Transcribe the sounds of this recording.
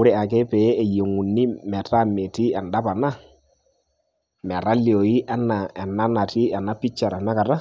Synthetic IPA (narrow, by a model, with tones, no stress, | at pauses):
ʊ˦ɾɛ˨a˨k̬ɛ˦pɛ˨˦e˨je˨ŋu˨nːi˦mɛ˨ta˦me˨ti˦ɛ˨nda˦pa˨na˦ | mɛ˨ɾa˦ljo˨i˦ʔɛ˦na˨ɛ˨na˦na˨ti˦ɛ˨na˦pi˦t͡ʃːa˨ɾa˨na˦ka˨ta˦